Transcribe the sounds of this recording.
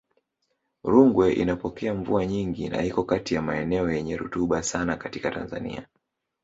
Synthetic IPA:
ɾuŋɡwɛʔḭnapɔkɛaɱvuaɲiŋɡina̰hikɔkatijamaɛnɛɔjɛɲɛɾṵtuɓasanakatikata̰nza̰nḭa

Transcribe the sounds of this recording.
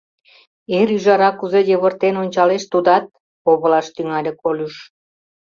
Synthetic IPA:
eɾyʒɑɾɑkuzejəβə̆rt̪enonʲt͡ɕɑleʃt̪ud̪ɑt̪̚ | oβə̆lɑʃt̪yŋɑlʲekʰolʲuʃ

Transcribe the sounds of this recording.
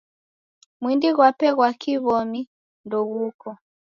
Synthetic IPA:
mwindiɣwapɛɣwakiβɔmi | ndɔɣukɔ

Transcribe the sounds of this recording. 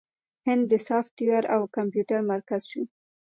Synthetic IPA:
hɪnd̪ːəsɑfʈiwaɾawkampjuʈaɾmaɾkazʃi

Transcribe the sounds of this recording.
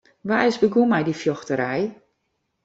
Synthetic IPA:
ʋaɪzbəɡumɛjdifjɔxtəɾɛj

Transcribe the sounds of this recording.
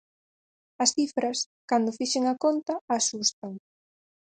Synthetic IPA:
ɐsθifɾɐs | kand̪ʊfiʃeŋɐkont̪ɐasust̪aŋ

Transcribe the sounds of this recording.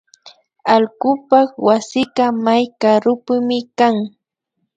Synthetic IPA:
alɢʊpɑχwasɪkamajkaɾʊpʊmɪkaŋ

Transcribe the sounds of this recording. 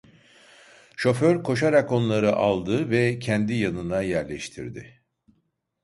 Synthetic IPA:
ʃo̞føɾkʰo̞ʃaɾako̞nlˠaɾɯʔalˠd̪ɯvɛcʰɛnd̪ijanɯnajæɾlʲɛʃt̪ʰḭɾd̪ɪ̰

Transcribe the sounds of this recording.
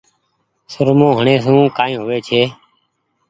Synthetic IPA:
sʊɾmõːɦəɳeːs̬ũːkaːĩːɦoːʋeːt͡ʃʰeː

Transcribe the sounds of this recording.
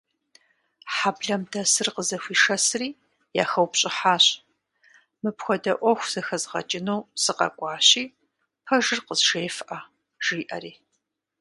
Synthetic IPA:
ħabɮɐmdʰɐsɨrqəzɐxʷiːʂɐsɨriː | ja̰ːxɐwpɕʼɪħaːɕ | mɨpxʷɔdɐʔʷɔxʷz̥ɐxɐzʁɐ̰t͡ʃʼɪnɐwsɨqɐ̰kʷʼɑːɕiː | pʰɐʒɨrqəzʒeːfʔaː | ʒ̥iːʔɐ̰ɾiː

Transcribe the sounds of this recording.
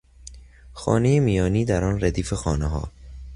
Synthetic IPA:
xɒ̰ːne̞jemijɒːniːd̪æɾɒːnræd̪iːfe̞xɒːneɦɒ̰ː

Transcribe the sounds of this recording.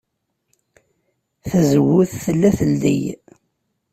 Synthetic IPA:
θæzwːʊθθəlːæθəlːḭj

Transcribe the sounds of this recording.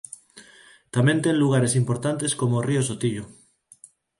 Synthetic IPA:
t̪amjent̪enluɣ̞aɾesimpoɾt̪ant̪e̞skomoriosot̪iʎo

